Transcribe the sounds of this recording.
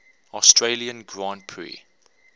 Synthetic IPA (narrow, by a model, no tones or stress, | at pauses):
ɔstʰɹeliə̃nɡɹãːnpʰɹḭ